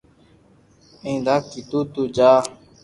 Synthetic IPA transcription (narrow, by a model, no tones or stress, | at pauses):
ẽːd̪aːkːit̪uːt̪uːd͡ʒaː